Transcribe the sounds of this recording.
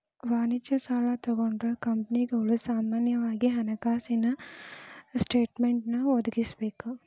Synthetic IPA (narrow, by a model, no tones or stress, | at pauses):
ʋaːnit͡ʃɐsaːlɐt̪ɔɡoɳɖokɐmpɐniɡɐʋlusaːmaːnjɐʋaːɡiɦɐnɐkaːsinɐ | sʈeːʈmeɳʈnɐɔd̪uɡisbeːku